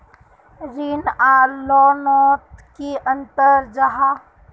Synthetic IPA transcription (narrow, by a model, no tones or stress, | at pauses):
ɾiːnaːlɔːnɔːt̪kiʔə̃nt̪əɾd͡ʒaɦa